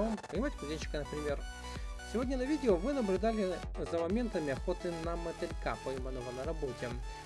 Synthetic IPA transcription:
əmpənʲɪmatʲkʊzʲenʲt͡ɕːɪ̥kənəpɾʲɪmʲe̞r | sʲɪvo̞dʲnʲənɐvʲidʲɪovɨnəblʲʊd̪alʲɪzɐmɐmʲe̞nt̪əmʲɪɐxo̞t̪ɨnɐmət̪ʲɪɾʲka̰pəjmənəvənɐɾɐbotʲɪ

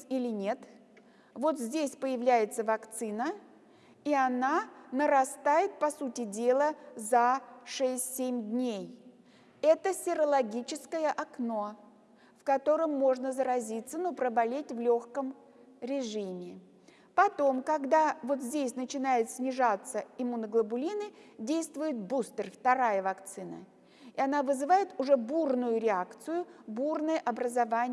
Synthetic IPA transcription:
ilʲɪnʲe̞t̪ | vo̞t̪zʲdʲesʲpəjɪvlʲæjɪt̪səvɐkt̪sɨnə | iɐnanəɾɐst̪ajɪt̪̚pɐsutʲɪdʲe̞lˠəzɐʂɛsʲtʲsʲemʲd̪ʲnʲej | ɛt̪əsʲɪɾəlˠɐɡʲit͡ɕɪskəjəʔɐkno̞ | fkɐt̪o̞ɾəmːo̞ʐnəzəɾɐzʲit̪sːənopɾəbɐlʲetʲvlʲoxkəm | ɾʲɪʐɨmʲɪ | pɐt̪o̞mkɐɡd̪avo̞t̪zʲdʲesʲnət͡ɕɪnajɪt̪sʲnʲɪʐat̪səɪmunəɡlˠəbʊlʲinɨdʲejst̪vʊjɪt̪̚bust̪ərft̪ɐɾajəvɐkt̪sɨnə̰ | ɪɐnavɨzɨvajɪt̪ʊʐɛburnʊjʊɾʲɪakt̪sɨjʊburnəjəʔɐbɾəzɐvanʲɪ

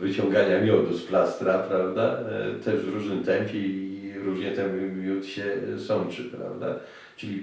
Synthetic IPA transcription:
vɘt͡ɕɔ̃ŋɡaɲamʲjɔd̪usplast̪ɾapɾavd̪a̰t̪ɛʐvɾuʐnɘmt̪ɛmpʲjɛiɾuʐɲɛt̪ɛmmʲjut̪ɕɛsɔnt͡ʂɘpɾa̰vd̪a̰ | t͡ʂɘlʲi

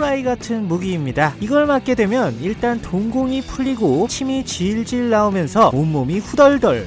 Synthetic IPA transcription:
ɾaiɡatʰɯnmuɡiːmɲidaiɡʌɭmatk͈e̞dwe̞mjʌniɭt͈antoŋɡoŋipʰuʎːiɡot͡ɕʰimit͡ɕiɭd͡ʑiɭːaumjʌnsʰʌomːomiɸudʌɭdʌɭ

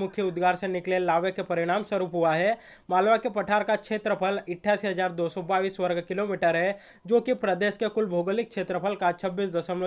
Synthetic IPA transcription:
mʊkʰjəʊd̪ɡaːɾsẽnɪklelaːʋəkːepɐɾɪɽ̃aːmswəɾuːpɦuaɦɛ | maːlʋakepɐʈʰaːɾkakʃʰeːt̪ɾəpʰəlɪʈʰːaːsiɦɐd͡ʒaːɾd̪oːsɔbaːʋiːswɐɾɡkɪlomiːʈəɾɦɛ | d͡ʒoːkipɾəd̪eːʃkekʊlbʱoːɡəlɪk̚ʃʰeːt̪ɾəpʰəlkat͡ʃʰəbːiːsd̪ɐsəmlo

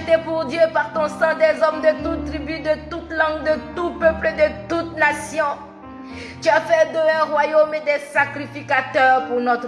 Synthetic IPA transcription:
t̪epuʁd̪jøpaʁt̪ɔ̃sɑ̃d̪ɛzɔmd̪ət̪ut̪ːʁibyd̪ət̪ut̪lɑ̃ɡd̪ət̪upøpləd̪ət̪ut̪nasjɔ̃ | t̪yafɛd̪ɔ̃ɛ̃ʁwajomed̪ɛsakʁifikat̪œʁpuʁnɔt̪

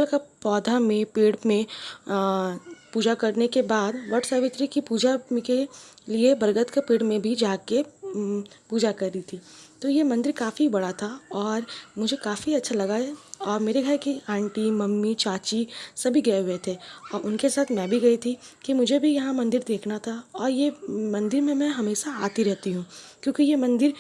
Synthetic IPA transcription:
lkapɔːd̪ʱamẽpeːɽmẽ | puːd͡ʒakɐɾnekebaːd̪ʋɐʈʰsaʋɪt̪ɾikipuːd͡ʒakeliebɐɾɡət̪kapeːɽmẽbʱid͡ʒaːke | puːd͡ʒakɐɾːit̪ʰiːt̪ojemɐ̃nd̪ɪɾkaːfibɐɽat̪ʰaɔːɾmʊd͡ʒʱekaːfiɐtːʃʰalɐɡaɛɔːɾmeːɾeɡʱɐɾkiãːɳʈimɐmːit͡ʃaːt͡ʃisɐbʱiɡɐeɦʊet̪ʰeɔːɾʊnkesaːt̪ʰmɛ̃bʱiɡɐit̪ʰikimʊd͡ʒʱebʱijɐɦãmɐ̃nd̪ɪɾd̪eːkʰnat̪ʰaɔːɾjemɐ̃nd̪ɪɾmẽmɛ̃ɦɐmeːʃaaːt̪iɾɛɦt̪iɦũːkjõːkijemɐ̃nd̪ɪɾ

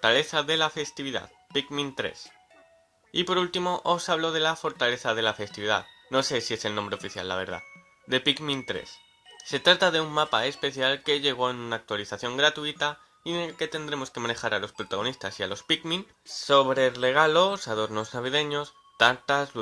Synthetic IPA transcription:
t̪ale̞θaðe̞lafe̞st̪iβiða̰ð | pikmĩnt̪ɾe̞̰s | ipo̞ɾult̪imo̞ʔosaβ̞lo̞ð̞e̞lafo̞ɾt̪ale̞θað̞e̞lafe̞st̪iβiða̰ð | no̞se̞sie̞se̞lnõmbɾeo̞fiθja̰lːa̰β̞e̞̰ɾða̰ | d̪e̞pikmĩnt̪ɾe̞̰sː | e̞t̪ɾat̪aðe̞umːapae̞spe̞θjalke̞ʝe̞ɣ̞o̞enunaːk̚t̪waliθaθjo̞ŋɡɾat̪uit̪a | enelke̞t̪e̞nd̪ɾe̞mo̞ske̞mane̞xaɾalo̞spɾo̞t̪aɣ̞o̞nist̪asia̰lo̞spikmĩn | so̞βɾe̞re̞ɣ̞alo̞saðo̞ɾno̞znaβ̞ið̞e̞ɲo̞s | t̪ant̪azl

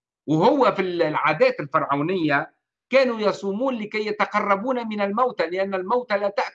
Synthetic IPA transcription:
whʊwːafilʕaːd̪æːt̪ɪlfɑɾˤʕaːnɪjːa | kæːnujɑsˤuːmuːnlɪkæjːat̪ɑqɑrˤːɑbuːnamɪnalmawt̪alɪʔanːælmawt̪alæːt̪aʔ

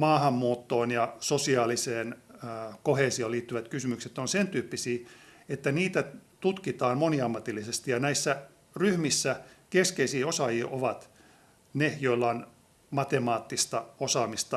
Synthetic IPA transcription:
mɑːhɑmːuːt̪ːoːnjɑsosiɑːliseːnkoheˑːsioliːt̪ːyʋæt̪kysymykset̪onsent̪yːpːisiː | et̪ːæniːt̪æt̪ut̪kit̪ɑːnmoniɑmːɑt̪ilːisest̪ijɑnæisːæ | ryhmisːækeskeisiːosɑjiːʔoʋɑt̪ | nejoilːɑon | mɑt̪emɑːt̪ːist̪ɑosɑːmist̪ɑ

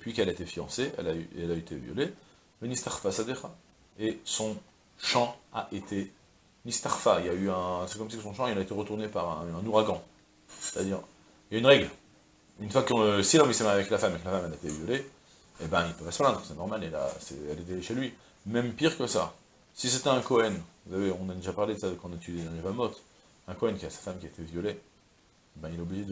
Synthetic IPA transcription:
d̪əpɥikɛlaet̪efijɑ̃seɛ̰layɛlaet̪ʰevjɔ̰le | lənist̪aʁfasad̪eχa | esɔ̃ | ʃɑ̃aʔet̪ʰe | nist̪aʁfailjayɛ̃sekɔmsakəsɔ̃ʃɑ̃ilaet̪eʁət̪uʁnepaʁɛ̃ɛ̃nuʁaɡɑ̃ | se̥t̪ad̪iːʁ | jaynʁɛɡl | ynfwaksilɔ̃isɛmaʁjeavɛklafamkəlafamɛlaet̪ɛvjɔle | ebɛ̃ilpøvɛsplɛ̃d̪ʁəsɛnɔʁmalela̰sɛ̰ɛlet̪eeʃelɥi | mɛmpiʁkəsa̰ | sis̬et̪ɛɛ̃kɔɛnvusaveɔ̃nad̪eʒapaʁled̪əsaəkɑ̃nat̪yd̪jed̪ɑ̃levamɔt̪ | ɛ̃kɔɛnkʲiasḁfamkʲiaet̪ɛvjɔle | ebɛ̃ilaobliʒed̪

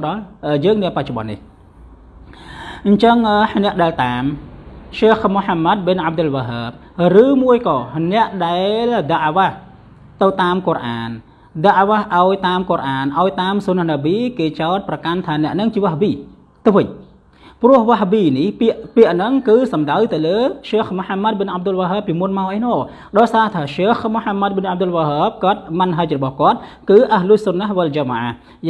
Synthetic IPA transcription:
ɗɑlʔəjəːŋniəpac̚t͡ɕoɓɑ̰nːḭh | ɲt͡ɕəŋʔəːnɛ̆əʔɗaɛlt̪aːmʃeːxmoħamːat̪̚ɓenʔab̚d̪ɨlʋaɦaːp̚ | rɨːmuəjkɑːnɛ̆əʔɗaɛlɗəʔʋah | t̪ɨwt̪aːmkorʔaːn | ɗəʔʋahʔaɔjt̪aːmkorʔaːnʔaɔjt̪aːmsunanaɓiːkeːt͡ɕaɔt̪̚prɑkant̪ʰaːnɛ̆əʔnɨŋt͡ɕiəʋahbiː | t̪ɨwʋɨɲ | prʊ̆əhʋaɦɓiːnihpiəʔpiəʔnɨŋkɨːsɑmɗawt̪ɨwləːʃeːxmoħamːat̪̚ɓɨnʔab̚d̪ʊlʋaɦəp̚piəmunmaɔʔajnɔː | ɗɑːjsaːht̪ʰaːʃeːxmoħamːat̪̚ɓənʔap̚d̪ʊlʋaɦəːb̚kɔ̆ət̪̚mɨnɦac̚rɔɓɑhkŏət̪̚kɨːʔahluəhsunːahʋəld͡ʑamaʔah

